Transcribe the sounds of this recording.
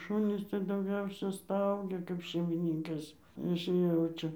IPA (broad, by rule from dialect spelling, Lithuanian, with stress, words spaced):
ˈʃʊnʲiːs tɐɪ dɐʊˈɡʲɛʊsʲɛ ˈstɐʊɡʲɛ kɐp ʃʲɛɪmʲɪˈnʲiːŋkɐs ˈjɪs ˈjɛʊt͡ʃʲɛ